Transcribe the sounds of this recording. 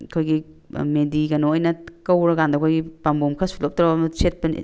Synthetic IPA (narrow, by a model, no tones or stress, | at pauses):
kʰojɡi | mediɡɐnoojnɐkɐwɾɐɡandɐkʰojɡipambomkʰɐsulop̚tɾɐɐmɐset̚pɐn̰